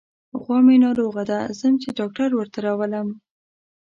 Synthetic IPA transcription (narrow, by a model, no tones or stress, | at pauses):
ɣwɑmenɑɾoɣad̪azəmt͡ʃeɖɑk̚ʈaɾwəɾt̪aɾɑwələm